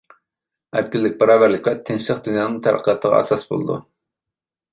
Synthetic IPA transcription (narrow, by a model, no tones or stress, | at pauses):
æɾkʲilːɪk̚ʲbɑɾɑːvæɾlɪkʲwɛt̪ʰɪnʃlˠəqd̪ynjɑːnɨŋt̪ʰæɾqʰəjɑt̪ʰːəʁɑ̰ɛ̰sɑsbo̰lˠɨ̰d̪ṵ